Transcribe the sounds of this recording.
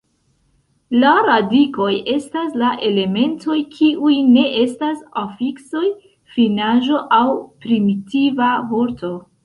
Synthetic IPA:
laɾadiko̞je̞staslaʔe̞le̞me̞ntʰo̞jkʰiʔujne̞ʔe̞stasafikso̞j | finaʒo̞ʔawpɾimitivavoɾto̞

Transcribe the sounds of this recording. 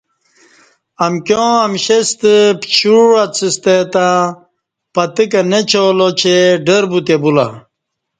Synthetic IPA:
ɐmkjõɐmɕest̪əpt͡ɕuɾat͡sʰist̪et̪ã | pɐt̪ikɐnet͡ɕʰolot͡ɕʰeɖəɾbut̪ebula̰

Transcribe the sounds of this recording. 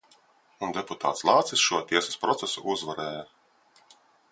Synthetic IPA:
und̪eput̪ʰa̰ːt̪slˠɑːt̪sisʃuɔt̪iɛsḁspɾɔt̪sesṵʔuzvaɾɛːja

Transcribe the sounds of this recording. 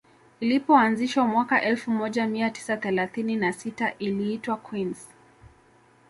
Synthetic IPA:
ilipɔanziʃwamwakaʔɛlfumɔʄamiati̥saθɛlaθininasitaʔiliːtwakwins

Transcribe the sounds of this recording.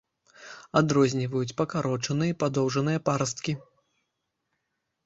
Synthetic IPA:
ad̪ɾɔzʲnʲivɐjut͡sʲpɐkaɾɔt͡ʂɐnɨjɐipad̪ɔwʐɐnɨjɐpaɾɐs̬t̪kʲi

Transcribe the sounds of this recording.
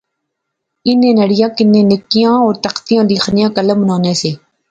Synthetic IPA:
ɪnːẽːnəɽɪjãːkɪnːẽːnɪkːijãːɔːɾt̪əqt̪ijãːliːxʰnɪjãːkələmnaːnẽːseː

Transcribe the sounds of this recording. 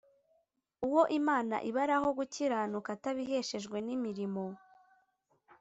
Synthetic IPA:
uwo̞ʔimaːna̰ʔiβaɾaɦo̞ɡuciɾanukataβiɦe̞ʃe̞ʒɡwe̞nimiɾimo̞

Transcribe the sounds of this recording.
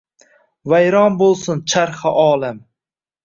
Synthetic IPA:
vajɾɒnbolˠsʊnt͡ʃʰaɾχɨʔɒːlˠam

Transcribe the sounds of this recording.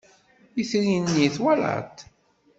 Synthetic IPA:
jiθɾinːiθwæla̰t̪

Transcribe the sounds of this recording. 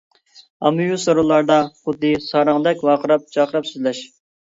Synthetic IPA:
ɑ̰mːujusoɾolˠɑɾd̪ɑχʊd̪ːɨsɑɾɑŋd̪ɛkʲwɑqʰəɾɑp̚t͡ʃʰɑqʰəɾɑpsyzlɛʃ

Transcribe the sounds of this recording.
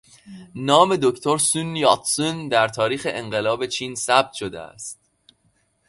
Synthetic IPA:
nɒːme̞d̪ocʰt̪ʰoɾsunjɒt̪sund̪æɾt̪ʰɒːɾiːxeʔeɴɢe̞lɒːbe̞t͡ʃʰiːnsæb̥̚t̪ʃod̪ḛæ̰st̪̚

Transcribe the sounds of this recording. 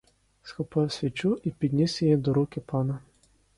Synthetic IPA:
skɔpɔjsʲʋʲit͡ʃuʔipʲid̪ʲnʲisʲɛjɛd̪ɔɾukʲɪpanɐ

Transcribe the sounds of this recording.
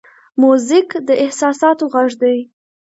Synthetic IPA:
muzɪkd̪əɪhsɑsɑt̪oɣaʐd̪aj

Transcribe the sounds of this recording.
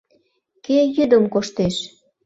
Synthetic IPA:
kejyd̪əmkoʃt̪eʃ

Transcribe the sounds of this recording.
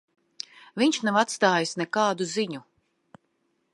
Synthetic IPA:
viɲt͡ʃʃnavat̪st̪aːjisnɛkaːd̪uziɲu

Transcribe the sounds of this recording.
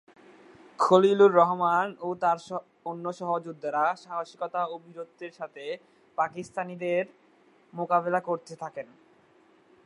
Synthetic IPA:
kʰoliluɾːɔɦmanot̪aɾ | onːoʃɔɦod͡ʑud̪ʱːaɾaʃaɦaʃi̥kɔt̪aobʱiɾod̪̚ʱeɾʃat̪ʰe | pakist̪anid̪eɾ | mokaβelakoɾt̪et̪ʰaken

